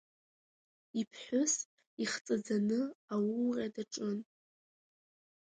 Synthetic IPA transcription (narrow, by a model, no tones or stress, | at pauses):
ipʰħʷʊs | iχt͡sʼad͡zanɨawʊlrʲʼadaʈ͡ʂʼɨn